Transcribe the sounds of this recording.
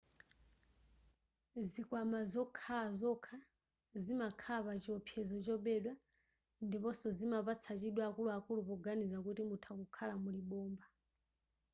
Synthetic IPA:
zikwamazɔkʰaazɔkʰa | zimakʰapat͡ʃiɔpʰjɛzɔt͡ʃɔɓɛɗwa | ndipɔsɔzimapat͡sʰat͡ʃiɗwaːkuluakulupɔɡanizakutimutʰakukʰalamuliɓɔːmba

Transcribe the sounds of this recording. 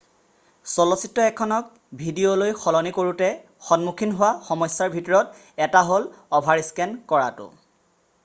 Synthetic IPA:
sɔlɔsitːɔɛkʰɔnɔk̚ | bʱidiolojxɔlɔnikoɹutɛ | xɔnmukʰinɦʊwaxɔmɔjsːaɹbʱitɔɹɔt̚ | ɛtaɦolɔbʱaɹiskɛnkɔɹa̰tʊ̰

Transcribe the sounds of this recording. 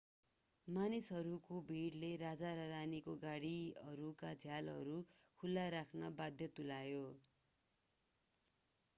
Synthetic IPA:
manisɦʌɾukobʱiɽleɾad͡zaɾʌɾanikoɡaɽiʌɾukad͡zʱjalɦʌ̰ɾukʰulːaɾakʰnʌbad̪ʱjʌt̪ulajo

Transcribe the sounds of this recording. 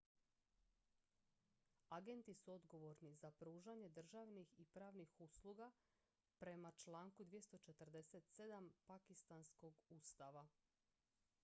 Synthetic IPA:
aɡe̞nt̪isuo̞d̪ɡo̞ʋo̞ɾnizapɾuːʒaɲe̞d̪r̩ʒaʋnixipɾaːʋnixuslˠuɡa | pɾe̞mat͡ʃlaːŋkud̪ʋije̞st̪o̞t͡ʃe̞t̪r̩d̪e̞set̪sed̪ampakist̪ansko̞ɡuːst̪aʋa

